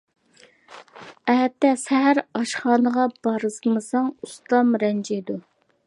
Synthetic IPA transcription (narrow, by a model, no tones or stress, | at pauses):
ɛɦɛt̪ːɛsɛɦæɾɑʃχɑːnəʁɑb̥ɑɾɨsmɨsɑŋust̪ɑmɾɛnd͡ʒijd̪u